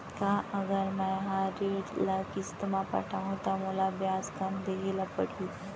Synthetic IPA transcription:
kaʔəɡəɾmajɦaɾeɽlakist̪əmapa̰ʈʰaɦot̪amulabjaskamd̪eɦelapəɽuː

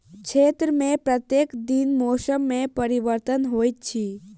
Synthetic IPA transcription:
kt͡ʃʰeːt̪ɾəmẽpɾət̪jekd̪inmoːʃəmːẽpəɾiʋəɾt̪ənɦoːjtt͡ʃʰi

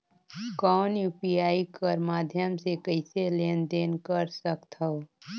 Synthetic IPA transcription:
kɔːnjuːpiaːikəɾmaːd̪ʱjəmsekəɪseleːnd̪eːnkəɾsəkt̪ɦə

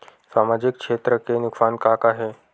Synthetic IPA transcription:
samad͡ʑik̚kʂet̪ɾəkenuksankakaɦe

